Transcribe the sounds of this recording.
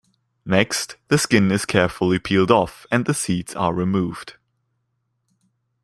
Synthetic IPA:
nɛksðəskɪ̃nɪz̥kʰɛɹfəl̩ˠipʰiːlˠdɔfə̃nðəsidz̥ə̰ɹɪmuːv̥d̥

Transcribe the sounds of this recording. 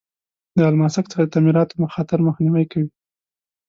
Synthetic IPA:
d̪əalmɑsakt͡sə̥xad̪ət̪amiɾɑt̪oməxɑt̪ɪɾməxniwajkawi

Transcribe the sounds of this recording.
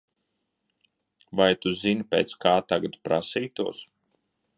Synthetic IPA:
vajt̪uzinpʲeːt̪skaːt̪aɡat̪pɾa̰siːt̪uɔs

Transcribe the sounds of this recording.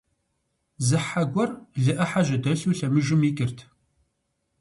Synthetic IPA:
zɨħaɡʷɔrɮɨʔɐħaʒʷɪdɐɬuːɬɐmɨʒɪmiːkʼɪrtʰ

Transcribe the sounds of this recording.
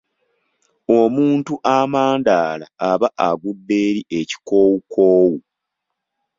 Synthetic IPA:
omuːntuʔamaːndaːla̰ːβaʔaɡudːe̞ːɾiʔe̞ci̥ko̞ːwukoːwu

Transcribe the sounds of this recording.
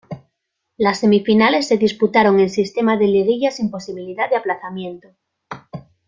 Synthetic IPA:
lasːe̞mifinale̞sːe̞ðisput̪aɾo̞ŋe̞nsist̪e̞maðeleðiʎasimpo̞siβ̞iliðaðeaplaθamjẽ̞nt̪o

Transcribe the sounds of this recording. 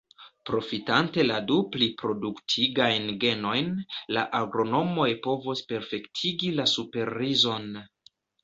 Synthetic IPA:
pɾo̞fitante̞laduplipɾo̞duktʰiɡajnɡe̞no̞jnlaʔaɡɾo̞no̞mo̞jpo̞vospe̞ɾfe̞ktʰiɡilasupe̞ɾizo̞n

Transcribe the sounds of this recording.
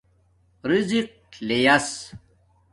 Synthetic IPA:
ɾiziq̚lejɐs

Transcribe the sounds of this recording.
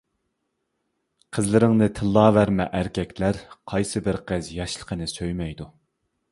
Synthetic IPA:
qʰəzlɪɾɪŋnɨt̪ʰɨlˠːɑːvæɾmɛ̰ʔæɾkʲʰɛkʲʰlæɾqʰɑjsɨbɪɾqʰəzjɑʃlˠə̥qʰənɨsøjmɛjd̪u

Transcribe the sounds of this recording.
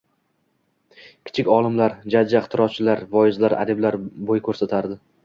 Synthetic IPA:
kʲʰɪ̥t͡ʃʰɪkʲɒlˠɪmlaɾd͡ʒad͡ʒːat̪ʰɪɾɒt͡ʃʰɪlaɾvɒjɪzlaɾʔa̰d̪ɪblaɾbojkʰɵɾsat̪ʰaɾd̪ɪ

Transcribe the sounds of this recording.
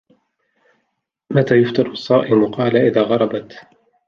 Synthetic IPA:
mat̪aːjʊft̪ˤɑɾˤsˤːɑːʔɪmʊqɑːlaʔɪðaːɣɑɾˤɑbɑt̪

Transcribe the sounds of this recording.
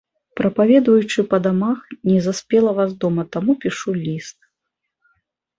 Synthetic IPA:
pɾɐpavʲɛd̪vɐjut͡ʂɨpɐd̪amaxnʲɛzasʲpʲɛlˠɐvasd̪ɔmɐt̪amupʲiʂulʲist̪̚

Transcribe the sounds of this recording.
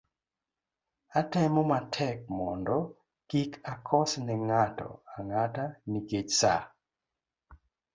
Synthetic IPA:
atɛmɔmatʰɛk̚mɔndɔ | kikʰakʰɔsnɛŋatɔ̰aŋataniket͡ʃsa

